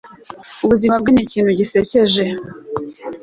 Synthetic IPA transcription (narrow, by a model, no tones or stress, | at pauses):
uβuzimab̚ɡiniciːnhuɟise̞ce̞ʒe̞